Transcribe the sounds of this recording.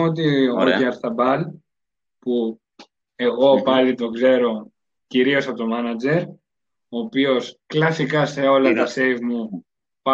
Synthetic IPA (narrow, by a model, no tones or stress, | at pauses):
ot̪̬ieɣoceɐɾθɐbɐl | pu | e̞ɣo̞pɐlit̪o̞ɡze̞ɾo̞ | ciɾio̞sɐt̪o̞mɐnɐd͡ʑe̞ɾ | oːpio̞sklɐsikɐse̞o̞lɐt̪ɐse̞jvmu | pɐ